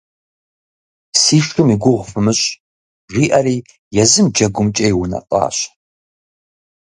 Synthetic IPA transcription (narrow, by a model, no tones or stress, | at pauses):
siːʃʰʼɨmiɡʷʊʁʷfɨmɨɕʼ | ʒʷiːʔɐriː | jɛzɨmd͡ʒɐɡʷʊmt͡ʃʼɐjwʊnɐ̰qʼɑ̰ːɕ